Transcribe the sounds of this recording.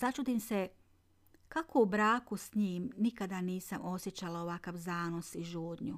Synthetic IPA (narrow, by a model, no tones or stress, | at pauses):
at͡ʃud̪imse | kakoubɾaːkusɲiːmnikad̪aniːsamo̞sje̞t͡ɕalaoʋakaʋzaːno̞siʒuːd̪ɲu